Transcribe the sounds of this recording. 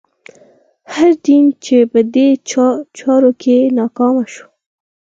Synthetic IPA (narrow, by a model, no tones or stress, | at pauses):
haɾɖ̪int͡ʃepəd̪et͡ʃɑɾokʰenɑkɑmaʃo̥